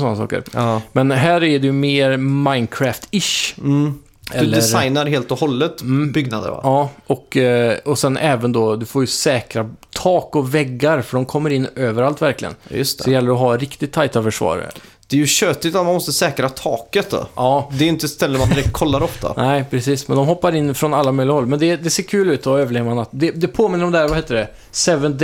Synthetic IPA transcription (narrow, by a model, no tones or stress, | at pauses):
sɔnːasɑ̰ːkə̰ɾmɛnɦæːɾɛɖɪmeːɾmaɪnd̪̚kʰɾæːft̪ɪʃ̩ | ɛɵlːɛɾajnaɾɦeːlt̪ɔhɔlːət̪̩ːbʏɡnad̪ə̰ɾva̰ɑːɔkɔsɛnʔɛːvənd̪ɔd̪ɵfoːɾjɵsɛːkɾat̪ʰɑːkɔvɛɡːaɾfœɖɔmkʰɔmːəɾɪnːøːvəɾalt̪væɾklɪɡə̰njɵ̰st̪ɔɛjɛlːəɾɔɦaɾɪkt̪ɪt̪ʰːajt̪afœʂvɑ̰ːɾɛ̰lː | d̪̥ɛæɾjɵɕøːt̪ɪt̪at̪manmɔst̪əsɛːkɾat̪ʰɑːkət̪d̪ɔ̰ɑːd̪ɛɾɪnt̪əst̪ɛlːəɾmand̪ɪɾɛk̚t̪̚kʰɔlːaɾɔft̪a̰nɛɪpʰɾɛsiːsmɛ̰nd̪ɔmɦɔpːaɾɪnːfɾɔnalːamœʏjlɪɡaɦɔlːmɛnd̪ɛd̪ɛseːɾkʰʉːlʉ̟ːt̪ɔøːvəɭeːvanat̪d̪ɛd̪ɛpʰoːmɪnːəɾɔmd̪ɛhæːɾvaheːt̪əɖɛ | sɛvən